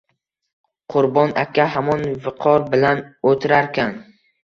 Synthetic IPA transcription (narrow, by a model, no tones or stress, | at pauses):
qʰʊɾbɒnakʲʰaɦamɒnvɪqʰɒɾbɪlanot̪ʰɪɾaɾkʲan